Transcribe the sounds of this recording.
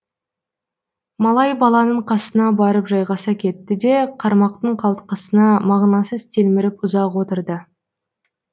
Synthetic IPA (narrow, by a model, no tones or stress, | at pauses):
mɑlˠɑjbɑlˠɑnəɴqʰɑsənɑbɑɾəpʒɑjʁɑsɑkʲʰe̞t̪ːɪd̪e̞qʰɑɾmɑqt̪əɴqʰɑlˠt̪qəsənɑmɑʁnɑsəzt̪ʰe̞lmɪɾɪpʊzɑqwo̞t̪əɾd̪ə